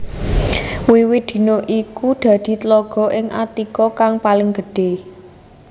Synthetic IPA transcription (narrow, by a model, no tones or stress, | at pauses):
wiwɪt̪̚d̪̥i̤noʔikud̪̥ä̤d̪̥i̤t̪lɔɡ̥ɔ̤ʔɪŋʔa̰t̪ikɔkaŋpalɪŋɡ̥əɖ̥e̤